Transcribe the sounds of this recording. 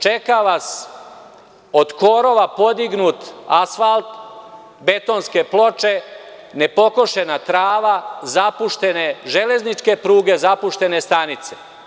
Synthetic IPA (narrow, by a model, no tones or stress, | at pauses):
t͡ʃekaʋas | o̞d̪koːɾo̞ʋapo̞d̪iɡnut̪asfalt̪ | be̞t̪o̞nske̞plo̞t͡ʃe | nepo̞koʃe̞nat̪ɾaːʋazapuʃt̪e̞ne̞ʒele̞znit͡ʃke̞pɾuːɡe̞zapuʃt̪e̞ne̞st̪anit̪se̞̥